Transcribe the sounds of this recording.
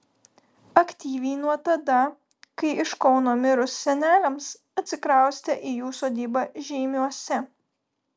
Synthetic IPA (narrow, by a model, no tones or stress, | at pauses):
ɐkʲt̪ʲiːʋʲɛɪnuɔt̪ɐd̪ɐ | kɐɪɪʃkɔʊnoːmʲɪɾʊsːʲɛnʲæːlʲɛms | ɐt̪ʲsʲɪkɾɑˑʊsʲt̪ʲɛʔiːjuːsoːd̪ʲiːbɑʒʲɛɪmʲuɔsʲɛ